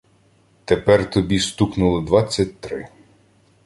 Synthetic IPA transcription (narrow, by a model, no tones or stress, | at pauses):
t̪epɛrt̪ɔbʲist̪uknʊlˠɪd̪ʋɑt͡sʲːɐt̚ʲt̪ɾɪ